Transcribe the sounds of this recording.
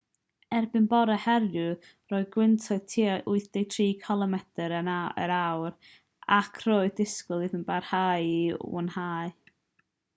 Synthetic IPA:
ɛrbɨnbɔɾɛhɛɾjʊ | roːɨd̚ɡwɪntʰɔɨðtʰiːʔʊɨθd̥ejtʰriːkʰɔlˠəmɛtəɾənaə̰ɾawr | akʰr̥oːɨðdɪskʊlˠɨðənbarhajiṵnhaɨ

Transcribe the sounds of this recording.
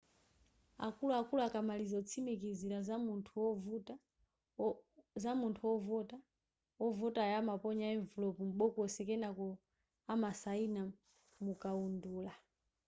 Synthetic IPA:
a̰kuluakuluakamalizɔt͡sʰimik̬iziɾazamuntʰuɔvta | zamuntʰuwɔvɔta | ɔvutajamapɔɲaɛɱvɔlɔpum̩ɓɔkɔsɛkɛnakɔ | amasaina | mukaunduːla

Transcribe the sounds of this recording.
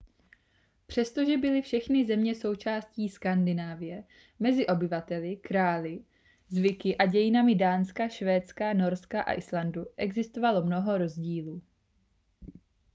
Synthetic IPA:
pr̝̥ɛst̪o̞ʒɛbɪlɪfʃɛxnɪzɛmɲɛso̞wt͡ʃaːsciːskandɪnaːvɪjɛ | mɛzɪʔo̞bɪvat̪ɛlɪkɾaːlɪ | zvɪkɪʔaɟɛjɪnamɪdaːnskaʃvɛːt͡skano̞ɾskaʔa̰ʔɪslanduʔɛɡzɪst̪o̞valo̞mno̞ɦo̞ɾo̞zɟiːluː

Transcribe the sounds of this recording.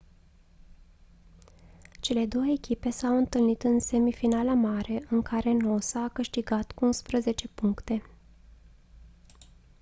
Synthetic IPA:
t͡ʃe̞le̞d̪o̞wəekʲipe̞sawɨnt̪ɨlnit̪ɨnse̞mifinalamaɾe̞ʔɨŋkʰaɾe̞no̞saːkɨʃt̪iɡat̪kuunspɾəze̞t͡ʃe̞puŋkt̪e̞

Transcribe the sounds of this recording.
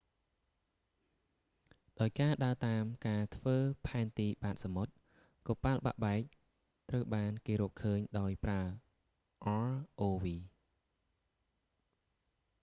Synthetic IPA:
ɗaɔjkaːɗaət̪aːmkaːt̪ʰʋəːpʰaɛnt̪iːɓaːt̪̚samot̪̚ | kɔːpalɓa̰ʔɓaɛk̚ | t̪rəwɓaːnkeːɾɔːʔkʰːəːɲɗaɔjpraə | ʔɑlʔoːʋiː

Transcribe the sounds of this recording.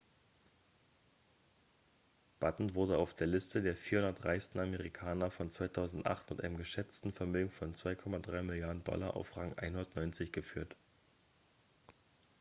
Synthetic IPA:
b̥atn̩vʊɐdəaʊfd̥eːɐlɪstədeːɐfiːɐhʊndɐtʁaɪstn̩aməʁikʰaːnɐfɔnt͡sv̥aɪtʰaʊzn̩tʔa̰χtmɪtʔa̰ɪnəmɡəʃɛt͡stn̩fɛɐmøːɡŋ̩fɔnt͡sv̥aɪkʰɔmadʁaɪmɪljaːɐdn̩dɔ̰laʔa̰ʊfʁaŋʔa̰ɪnhʊndɐtnɔʏnt͡sɪçɡ̥əfyːɐt

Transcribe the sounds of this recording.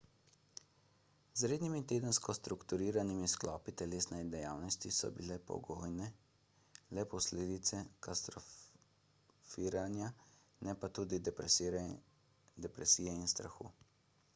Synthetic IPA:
zɾeːd̪nimit̪eːd̪ənskɔst̪ɾukt̪uɾiːɾanimisklɔːpit̪ɛleːsnɛd̪ɛjaːwnɔst̪isɔ̰bilɛpɔ̰ɡoːjnɛ | lɛpɔsleːd̪it̪sɛkast̪ɾɔ | fiːɾanja | nɛpat̪uːd̪i | d̪ɛpɾɛsiːjɛinst̪ɾa̰xṵː

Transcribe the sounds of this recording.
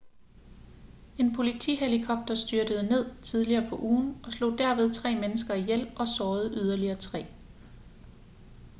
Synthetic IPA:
e̝npʰo̝lit͡sʰḭːɦelikʰɒ̽b̥̚d̥ɐsd̥yɐd̥əð̞̩ˠne̝ð̰ˠt͡sʰið̞ˠliɐːpʰɒ̽ʔuːn̩ʔɒ̽slo̝̰ːd̥æɐʋe̝ð̞ˠt͡sʰʁɛ̰ːmenəsɡ̥ɐijel̰ʔɒ̽sɒːð̞̩ˠʔyð̞ˠɐliɐːt͡sʰʁɛ̰ː

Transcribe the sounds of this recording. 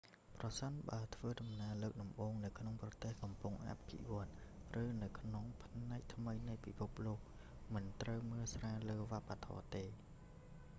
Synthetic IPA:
prɑsənɓaət̪ʰʋəːɗɑmnaələːk̚ɗɑmɓoːŋnɨwkʰnoŋprɑt̪eːhkɑmpuŋʔa̰p̚ɡḭʋŏət̪̚rɨːnɨwkʰnoŋpʰnnaɛk̚t̪ʰməjnɨjpipʰup̚loːk̚ | mɨnt̪rəwməːlsraːləːʋăpat̪ʰɔ̰ːt̪eː

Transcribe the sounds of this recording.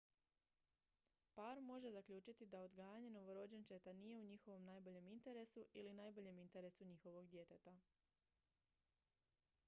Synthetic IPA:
paɾmo̞ʒe̞zakʎuːt͡ʃit̪id̪aod̪ɡaːjaɲe̞no̞ʋo̞ɾo̞d͡ʑe̞nt͡ʃet̪anije̞uɲixo̞ʋo̞mnaːjbo̞ʎe̞mint̪e̞ɾe̞suʔilinaːjbo̞ʎe̞mint̪e̞ɾe̞suɲixo̞ʋo̞ɡd̪je̞t̪et̪a

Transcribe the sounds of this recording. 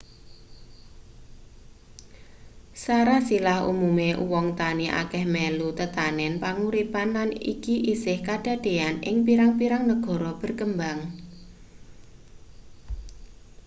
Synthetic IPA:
saɾasilahṵmumeʔuwɔŋt̪aniʔa̰kɛhmɛlut̪ət̪anɛnpaŋuɾipanlanḭkiʔisɪhkaɖ̥a̤ɖ̥e̤anɪ̰ŋpiɾaŋpiɾaŋnəɡ̥ɔ̤ɾɔb̥ə̤rkəmbaŋ

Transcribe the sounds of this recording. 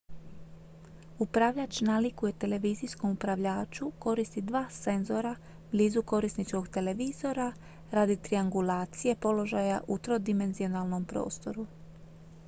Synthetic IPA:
upɾaʋʎat͡ʃnalikuje̞t̪e̞le̞ʋiːzijsko̞mupɾaʋʎaːt͡ʃuko̞ɾist̪id̪ʋaːse̞nzo̞ɾa | bliːzuko̞ɾisnit͡ʃko̞ɡt̪e̞le̞ʋiːzo̞ɾa | ɾad̪it̪ɾiaŋɡulaːt̪sije̞po̞lo̞ʒajaʔut̪ɾo̞d̪ime̞nzionalˠno̞mpɾo̰ːst̪o̞ɾu

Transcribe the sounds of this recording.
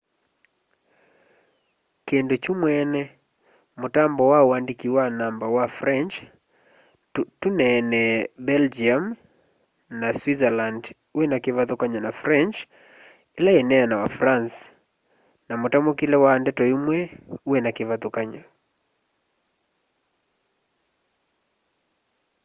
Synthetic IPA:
kendot͡ʃumwɛnɛ | motambɔwaoandikiwanambawafrɛnt͡ʃ | tunɛnɛbɛld͡ʒiam | naswizaland | uwɛnakeβatokaɲanafɾɛnt͡ʃ | elaɛnɛanawafɾans | namotamokilɛwandɛtɔimwɛuɛnakeβatokaɲa

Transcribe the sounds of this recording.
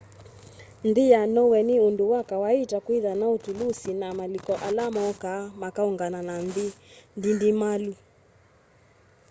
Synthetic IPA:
ndijanɔwɛniunduwakawaitakwiðanautulusinamalikɔʔalamɔkamakauŋɡananandindindimalu

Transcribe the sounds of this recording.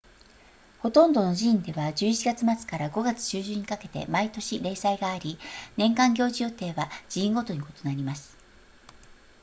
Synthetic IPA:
ho̞t̪õ̞nd̪o̞no̞ʑĩːnd̪e̞βad͡ʑɨːit͡ɕiɡat͡sɨmat͡sɨ̥kaɾaɡo̞ɡat͡sɨ̥ɕɨːʑɨ̃ɲ̟ikake̞t̪e̞̰mait̪o̞ɕiɾe̞ːsaiɡaːɾʲinẽ̞ŋkãŋɡʲo̞ːʑijo̞ːt̪e̞ːβad͡ʑiĩŋɡo̞t̪o̞ɲ̟iko̞t̪o̞naɾʲimasɨ̥

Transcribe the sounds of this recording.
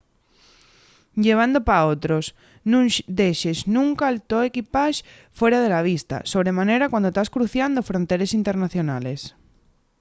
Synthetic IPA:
ʎeβ̞and̪opaot̪ɾos | nũd̪eʃeznũŋkaːlt̪oekipaʃ | fwe̞ɾað̞e̞laβ̞ist̪a̰so̞βɾe̞mãneɾakwand̪ot̪askɾuθjand̪ofɾont̪eɾesint̪eɾnaθjo̞nale̞s

